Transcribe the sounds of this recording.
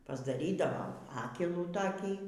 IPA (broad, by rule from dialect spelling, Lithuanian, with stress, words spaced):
pɐzdɐˈrʲiːdɐʋoːm ˈfɑːkʲɛlˠuː toːˈkʲiː